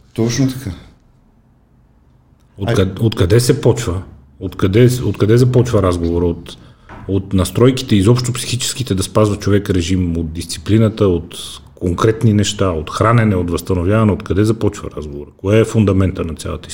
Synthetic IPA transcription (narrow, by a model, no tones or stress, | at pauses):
t̪ɔt͡ʃnot̪ɐ̥ka | otkɐot̪kɐd̪ɛsɛpɔt͡ʃvə | ot̪kɐd̪ɛo̰t̪kɐd̪ɛzɐpɔt͡ʃvəɾazɡovoɾəot̪ | ot̪nɐst̪ɾɔjki̥t̪ɛizɔpʃt̪opsi̥xit͡ʃɛ̥skit̪ɛd̪ɐspazvɐt͡ʃovɛkɾɛʒimot̪̚d̪ist̪si̥plinət̪əot̪koŋkɾɛt̪ninɛʃt̪aot̪xɾanɛnɛot̪vɐst̪ɐnovʲjavɐnɛot̪kɐd̪ɛzɐpɔt͡ʃvə̰ɾazɡovoɾəkoɛɛfund̪ɐmɛnt̪ənɐt̪sʲa̰lˠə̰t̪əi